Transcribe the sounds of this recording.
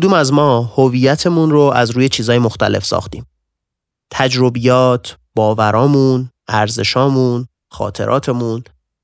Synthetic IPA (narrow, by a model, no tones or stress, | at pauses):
od̪uːmæzmɒːhoviːjæt̪ʰe̞munɾo̞ʔæzɾuːje̞t͡ʃʰiːzɒːjemo̞xt̪æle̞̰fsɒ̰ːxt̪ḭːm | t̪ʰæd͡ʒɾo̞bijɒːt̪ʰ | b̥ɒːvæɾʔɒːmun | æɾze̞̰ʃɒːmuːn | xɒ̰ːt̪ʰe̞̰ɾʔɒ̰ːt̪ʰe̞mun